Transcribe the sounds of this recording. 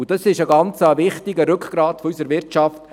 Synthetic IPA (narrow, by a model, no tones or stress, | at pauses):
d̥ɑsɪʃəɡɑnt͡səʋɪχtɪɡəɾʏkʰχɡ̥ɾɑːtfɔysəɾʋɪɾt͡ʃɑft